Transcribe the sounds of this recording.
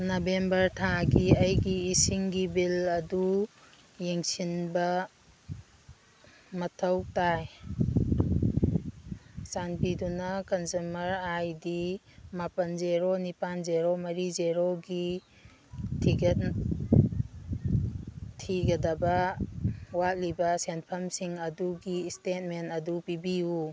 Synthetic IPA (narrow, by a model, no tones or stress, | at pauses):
nɔbembɐɾtʰaɡiɐjɡiːsiŋɡibilɐdu | jeŋsinbɐ | mɐtʰɐwtaj | sanpidunɐkɐnzumɐɾajdi | mapɐnzeɾonipanzeɾomɐɾizeɾoɡi | tʰiɡet̚ | iɡɐdɐbɐ | wat̚libɐsenpʰɐmsiŋɐduɡistet̚mentɐdupibiu